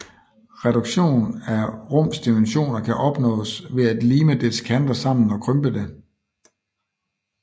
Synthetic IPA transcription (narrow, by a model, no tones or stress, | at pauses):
ʁɛɾ̥uɡ̥ɕo̝̰ːnæʁɔ̽m̰sd̥imenɕo̝̰ːnɐkʰæʔɒ̽b̥nɔ̰̽ːsʋe̝æd̥liːməd̥eskʰænd̥ɐsɑ̈m̰n̩ɒ̽kʰʁœmb̥əd̥e̝